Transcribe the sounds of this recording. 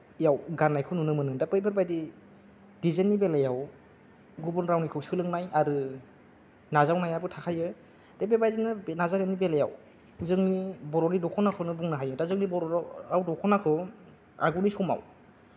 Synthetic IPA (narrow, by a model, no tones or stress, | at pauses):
ijawɡanːajkʰɯnunɯmɯnɯŋdapejbeɾbajdi | dizenːibelajaw | ɡubɯnɾawnikʰɯwsɯlɯŋnajaɾɯ | nazawnajabɯtʰakʰajɯ | d̥ebeɾbajdinɯnazaɾanibelaja̰w | zɯŋnibɔɾɔnidɔkʰɔnakʰɯnɯbuŋnaɦajɯdazɯŋnibɔɾɔawdɔkʰɔnakʰɯ | a̰ɡunisɔma̰w